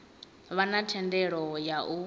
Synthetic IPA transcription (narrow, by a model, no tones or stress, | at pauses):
βanatʰɛndɛɺɔjaʔu